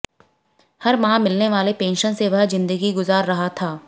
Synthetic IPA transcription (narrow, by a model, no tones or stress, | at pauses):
hɐɾmãːmɪlneʋaːlepẽːnʃənseʋɐɦzɪ̃nd̪əɡiɡʊzaːɾːɐɦat̪ʰaː